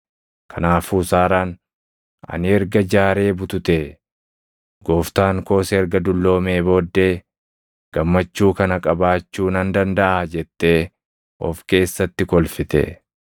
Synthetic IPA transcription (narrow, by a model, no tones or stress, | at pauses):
kʰɐnaːfuːsaːɾaːn | ʔɐ̰nɪɛɾɡɐd͡ʒaːɾe̞ːbʊt̪ʊt̪eː | ɡoːft̪aːŋko̞ːsɛɛɾɡɐd̪ʊlːo̞ːme̞ːbo̞ːd̪ːe̞ː | ɡ̥ɐmːɐt͡ʃːuːkɐnɐkʼɐbaːt͡ʃːuːnɐnd̪ɐnd̪ɐʔad͡ʒɛt̪ːe̞ː | ʔɔ̰fke̞ːsːɐt̪ːɪkɔlfɪt̪ɛ̰